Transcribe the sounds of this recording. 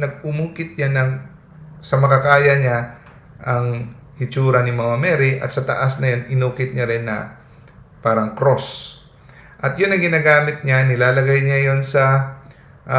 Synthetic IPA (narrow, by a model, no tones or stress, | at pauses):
nɐɡ̚ʊmuːkɪt̪̚ɲanɐŋ | sɐmɐkɐkaːjɐɲa | ʔɐŋ | hɪt͡ʃuːɾɐnɪmɐŋɐmɛːɾɪʔɐ̰t̪sɐt̪ɐ̰ʔasnɐjonʔɪnuːkɪt̪̚ɲaɾɪnːɐ̰ | paːɾɐŋkɾo̞s | ʔɐt̪jʊnːɐŋɡɪnaːɡaːmɪt̪̚ɲanɪlaːlɐɡajɲajo̞nsɐ | ʔ